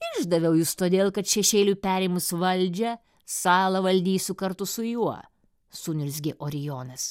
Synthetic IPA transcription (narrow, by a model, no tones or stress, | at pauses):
ɪʒd̪ɐʋʲɛʊjʊst̪oːd̪ʲeːlˠkɐt̪ʃʲɛʃʲeːlʲupʲæːɾʲɪmʊsʋɐlʲd͡ʒʲɛ | sɑːlˠɐʋɐlʲd̪ʲiːsʲʊkɐɾt̪ʊsʊjuɔ | suːnʲʊlʲs̬ʲɡʲɪʔoːɾʲɪjoːnɐs